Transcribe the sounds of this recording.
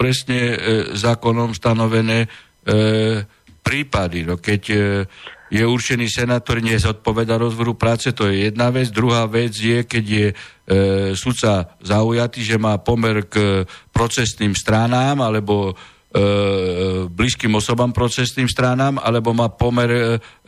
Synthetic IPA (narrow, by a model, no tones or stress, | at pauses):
pɾɛsɲɛzaːkɔnɔmst̪anɔʋɛnɛː | pɾiːpad̪inɔkɛɟ | jɛuɾt͡ʃɛniːsɛnaːt̪ɔɾiɲɛzɔt̪̚pɔʋɛd̪aɾɔzʋɔɾupɾaːt͡sɛt̪ɔjɛjɛd̪naʋɛd͡zd̪ɾuɦaːʋɛd͡zjɛkɛɟjɛ | sut̪t͡sazaujat̪iːʒɛmaːpɔmɛɾkpɾɔt͡sɛsniːmst̪ɾanaːmalɛbɔ | bliskiːmɔsɔbaːmpɾɔt͡sɛsniːmst̪ɾanaːma̰lɛbɔmaːpɔmɛɾ